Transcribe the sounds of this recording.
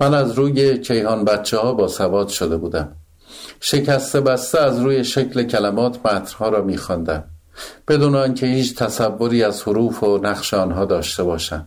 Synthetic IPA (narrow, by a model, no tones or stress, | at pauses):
mænæzɾuːje̞cʰe̞jhɒːnbæt̪t͡ʃʰːehɒːbɒːsævɒːd̪̥ʃod̪e̞buːd̪æm | ʃe̞cʰæst̪e̞bæst̪eæzɾuːje̞ʃecʰle̞cʰælæmɒːt̪ʰmæt̪ʰɾ̥hɒːɾɒːmiːxɒnd̪æm | b̥e̞d̪uːneiŋcʰe̞hiːt͡ʃʰt̪ʰæsævːo̞ɾiːæzhoɾuːfonæχʃeɒːnɦɒːd̪ɒːʃt̪e̞bɒːʃæ̰m